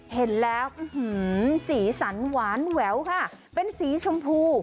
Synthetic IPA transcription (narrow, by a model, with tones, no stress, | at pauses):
he˨˩˦nlɛː˦˥wʔɯ˧hɯ˩˦˩siː˩˦sa˩˦nwaː˨˩˦nwɛː˩˦wkʰa˥˩ | pe˧nsiː˩˦t͡ɕʰo˧mpʰuː˧